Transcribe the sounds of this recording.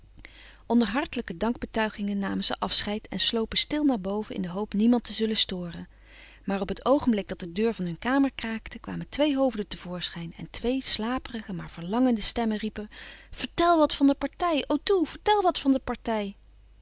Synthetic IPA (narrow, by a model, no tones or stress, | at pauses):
ʔɔndəɹɦɑɹtələkədɑŋɡ̚bətœɥχɪŋənːaːmənzə̰ʔɑfsχɛjtɛ̰nslowpəstɪlˠnaːɹbowvəɪ̰ndəɦowpnimɑntəzɵləstʊːrən | maːrɔpɦətʰowχəmblɪɡ̚dɑt̚dədøːɹvɑnɦɵnkaːməɹkraːktəkʋa̰ːməntʋejɦowvdətəv̥ʊːɹsχɛjnɛ̰ntʋejslaːpərəχəmaːɹv̥əɹlɑŋəndəstɛməripəv̥əɹtɛlˠʋɑtfɑndəpɑɹtɛjowtuv̥əɹtɛlˠʋɑtfɑndəpɑɹtɛj